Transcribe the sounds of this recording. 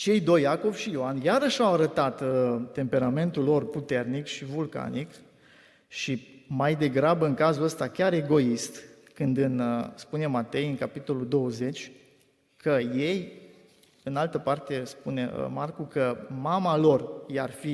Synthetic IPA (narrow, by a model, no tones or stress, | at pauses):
t͡ʃe̞jd̪o̞jako̞vʃijoanjaɾəʃawaɾət̪at̪t̪e̞mpe̞ɾame̞nt̪ulːo̞rput̪e̞rnikʃivulka̰nik | ʃimajd̪e̞ɡɾabəɨŋkazuləst̪akʲaɾe̞ɡo̞ist̪ | kɨnd̪ɨnspune̞mat̪e̞jɨŋkapit̪o̞lud̪o̞əze̞t͡ʃʲ | kʰəje̞j | ɨnalt̪əpart̪e̞spuneə̰markukəmamalo̞rjarfi